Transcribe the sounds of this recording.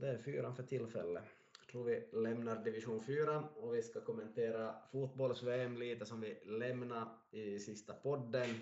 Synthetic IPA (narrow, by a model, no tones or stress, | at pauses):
d̪ɛæɾfyːɾanfœʈʰɪlfɛ̰lːə | t̪ʰɾuːɾvɪlɛmnaɾd̪ɪvɪʂuːnfyːɾanɔvɪskakʰɔmːɛnt̪ʰeːɾafuːt̪̚bɔlsveːɛmliːt̪əsɔmvɪlɛmnaɾ | ɪsɪst̪apʰɔd̪ːən